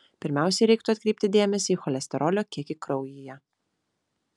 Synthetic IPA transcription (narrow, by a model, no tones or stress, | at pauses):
pʲɪɾʲmʲæˑʊsʲɛɪɾʲɛɪk̚t̪ʊɐt̪ʲkɾʲɛɪpʲt̪ʲɪd̪ʲeːmʲɛsʲiːxɔlʲɛsʲt̪ʲɛɾʔɔlʲoːkʲiɛkʲɪkɾɒʊjijɛ